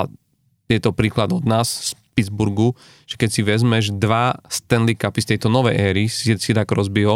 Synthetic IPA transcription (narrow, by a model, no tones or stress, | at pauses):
jɛt̪ɔpɾiːklad̪ɔd̪naːsspid̪d͡zbuɾɡu | ʒ̥ɛkɛcsiʋɛzmɛʒd̪ʋast̪ɛnlikapist̪ɛjt̪ɔnɔʋɛjʔɛːɾisisid̪akɾɔzbiɦɔ